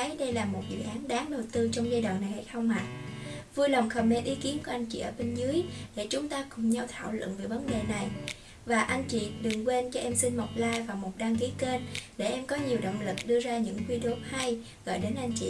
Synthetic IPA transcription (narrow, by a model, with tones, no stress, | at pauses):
jɗə˧jlaː˨˩mo˨˩t̚zɨ̰˧˨ʔaː˨˦nɗaː˨˦ŋɗə˨˩wt̪ɨ˧t͡ɕɔ˧wŋ͡mzaː˧jɗwa̰ː˧˨nːa˨˩jha̰˧˩jt̪ʰɔ˧wŋ͡mha˨˩t̚vu˧jlə˨˩wŋ͡mxə˨˩mme˧nʔi˨˦ki˨˦ənku˧˩ʔa˧jŋ̟t͡ɕḭ˧˨ʔəː˧˩ɓe˧nzɨ˨˦əjɗe˧˩t͡ɕʊ˨˦ŋ͡mt̪aː˧kʊ̰˧˩ŋ͡mɲa˧wt̪ʰa̰ː˧˨wlə̰˧˨nve˨˩jvə˨˦nɗe˨˩na˨˩j | vaː˨˩ʔa˧jŋt͡ɕḭ˧˨ɗɨ˨˩ŋkwe˧nt͡ɕɔ˧ʔɛ˧msi˧nmɔ˨˩k͡p̚laː˧jvaː˨˩wmo˨˩t̚ɗaː˧ŋki˨˦ke˧nɗe˧˩ʔɛ˧mkɔ˨˦ɲi˨˩əwɗo̰˧˨wŋ͡mlɨ˨˩k̚ɗɨ˧əzaː˧ɲɨ̰˧˥ŋkwi˧ɗo˨˦p̚ha˧j | ɣɔ̰˧˨jɗe˨˦nʔa˧jŋ̟t͡ɕḭ˧˨